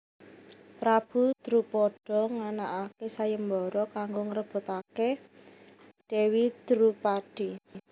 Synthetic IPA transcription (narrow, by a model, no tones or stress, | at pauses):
pɾab̥ud̪̥ɾupɔɖ̥ɔ̤ŋanaʔakesajəmbɔɾɔkaŋɡoŋəɾəb̥o̤t̪ake | ɖ̥ɛ̤wid̪̥ɾupaɖ̥i